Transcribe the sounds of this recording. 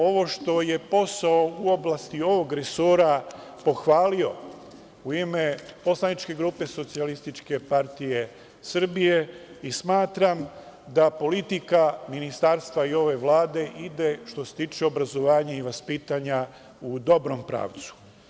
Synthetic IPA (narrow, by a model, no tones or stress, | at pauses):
o̞ʋo̞ʃt̪o̞je̞po̞sao̞uo̞blast̪io̞ʋo̞ɡɾesoːɾa | po̞xʋaːlio̞ | uime̞po̞slˠanit͡ʃke̞ɡɾuːpe̞so̞t̪sialist̪it͡ʃke̞paɾt̪ije̞ | sr̩bije̞ | ismaːt̪ɾam | d̪apo̞lit̪ikaminist̪aɾst̪ʋaio̞ʋe̞ʋlˠaːd̪e̞ʔid̪e̞ʃt̪o̞set̪iːt͡ʃeo̞bɾazo̞ʋaːɲaiʋaspiːt̪aɲa | ud̪o̞bɾo̞mpɾa̰ːʋt̪su̥